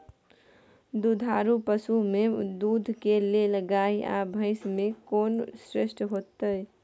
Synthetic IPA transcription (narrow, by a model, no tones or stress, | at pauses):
d̪ud̪ʱaːɾupəsumẽd̪uːd̪ʱkeleləɡaːiʔa̰bʱəɪsmẽkoːnsɾesʈɦoːt̪əj